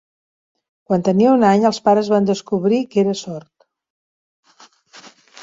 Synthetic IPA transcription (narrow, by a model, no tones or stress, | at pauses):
kwant̪əniəunaɲəlˠspaɾəzβand̪əskuβɾikeɾəsɔɾt̪